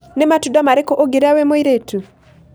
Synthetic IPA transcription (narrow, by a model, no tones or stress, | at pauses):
nematudamaɾekɔʔoɡeɾawemoiɾetu